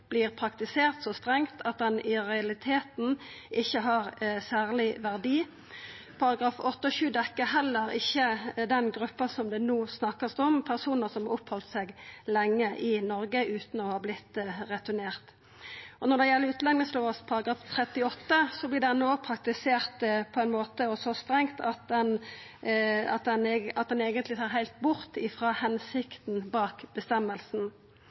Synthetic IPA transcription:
b̥lɪːʁpʰɾɑkt̪ɪseːɾt̪sɔst̪ʁɛŋt̪ʰɑt̪̚d̪ɛnɪɾɛɑlɪt̪ʰeːt̪n̩ʔɪçːəɦɑɾsæːʁlɪʋæʁd̪iː | pʰɑɾɑɡɾɑːfɔt̪ːəɔʃʉːd̪ɛkːəɦɛlːəɾɪçːəd̪ɛnɡɾʉpːɑsɔmd̪ɛnoːsnɑkːəsd̪ɔmpʰæʁsuːnəɾsɔmɑɔphɔlt̪sɛɡlɛŋːəʔɪnɔɾɡəʔʉːt̪n̩ɔhɑːblɪt̪ːɾɛt̪ʉneːʁt̪ | ʔɔnɔɖ̪ɛjɛlːəʉːt̪lɛŋnəsloːʋəspʰɑɾɑɡɾɑːft̪ʰɾɛt̪ːɪɔt̪ːəsɔblɪɖɛnːoːpʰɾɑkt̪ɪseːʁt̪pʰɔɛɪnmoːt̪əɔsɔst̪ɾɛŋt̪ɑt̪̚d̪ɛn | ɑt̪̚d̪ɛnɑt̪̚d̪ɛneːɡənt̪lɪt̪ʰɑːɾɦæɪlt̪̚bʊɾt̪ɪfʁɑːhɛnsɪkt̪nbɑːkb̥əst̪ɛmːəlsn̩

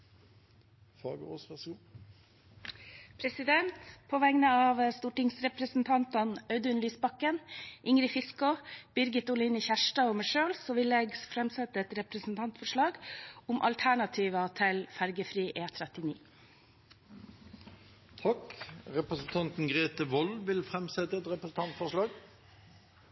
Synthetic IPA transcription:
fɑ̰ːɡəo̰ːsʋæʁsɡuː | pʰɾɛsɪd̪ɛnt̪pʰɔʋɛŋnəɑʋst̪uːʈɪŋsɾɛpɾəsn̩t̪ʰɑnt̪ɑnœʏd̪ʉnlyːsbɑkənʔɪŋɾɪfɪskʊb̥ʏɾɡət̪ʊlɪnəçæʂʈɑɔməʂøːlsɔʋɪlɛɡsfɾɛmsɛt̪ːəɛt̪ɾɛpɾəsn̩t̪ʰɑnt̪fɔʂɭɑːɡʊmʔɑ̰lt̪ʰæɳɑt̪ʰiːʋɑt̪ʰɪlfæɾɡəfɾiːʔeːt̪ʰɾɛt̪ɪnḭː | t̪ʰɑkʁɛpɾəsn̩t̪ʰɑnt̪n̩ɡʁeːt̪əʋɔlʋɪlfʁɛmsɛt̪əɛt̪ʁɛpɾəsn̩t̪ɑnt̪fɔʂɭɑːɡ

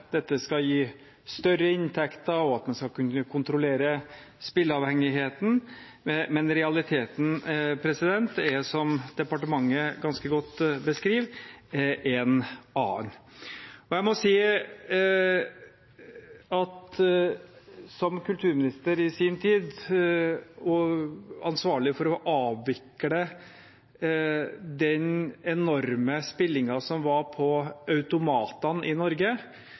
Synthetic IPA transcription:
d̪̥ɛt̪ːəskɑjiː | st̪œɾəɪnt̪ʰɛkt̪əɔɑt̪mɛnskɑkʉnːəkʰʊnt̪ɾɔleːɾəspɪlːɑːʋhɛŋɪɦeːt̪n̩ | mɛnɾɛɑlɪt̪ʰeːt̪n̩pʰɾɛsɪd̪ɛnt̪ɛsɔmd̪̥ɛpɑʈəmɑŋːəɡɑnskəɡɔt̪ːbəskɾiːʋ | ʔɛnɑːn | ɔjæɪmɔsiː | ɑt̪ | sɔmkʰʉlt̪ʰʉːɾmɪnɪst̪əɾɪsiːnt̪ʰiːd̪ | ɔɑ̰nsʋɑːɭɪfɔɾɔʔɑːʋːɪkːɽə | d̪ɛnɛnɔɾməspɪlːɪŋɑsɔmʋɑɾpʰɔʔœʉt̪ʊmɑːt̪ɑnʔɪnɔɾɡə

